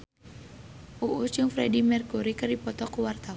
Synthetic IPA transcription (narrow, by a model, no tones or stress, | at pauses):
ʔuʔut͡ʃʊŋfɾɛdimɛrkuɾikərdipɔt̪ɔkuwart̪a